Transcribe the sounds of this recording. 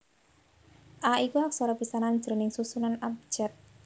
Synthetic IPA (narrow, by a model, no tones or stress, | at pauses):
ʔaikuak̚sɔɾɔpisanaɲd͡ʒnɪŋsusunanap̚d͡ʒ̥ɛt̪̚